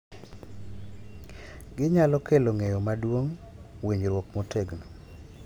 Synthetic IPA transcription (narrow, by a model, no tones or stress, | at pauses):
ɡɪɲalɔkeloŋejɔmadwoŋwiɲɾwokmotʰeɡno